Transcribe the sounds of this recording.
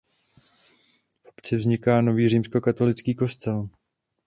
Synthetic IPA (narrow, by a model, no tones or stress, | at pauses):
fʔopt͡sɪvzɲɪkaːno̞viːr̝iːmsko̞kat̪o̞lɪt͡skiːko̞st̪ɛl